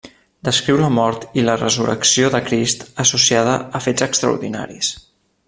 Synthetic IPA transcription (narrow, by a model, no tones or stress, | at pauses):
d̪əskɾiwləmɔɾt̪ilərəzuɾə̰ksioðəkɾist̪əsusiað̞əəfezəkst̪ɾə̰ṵɾðina̰ɾḭs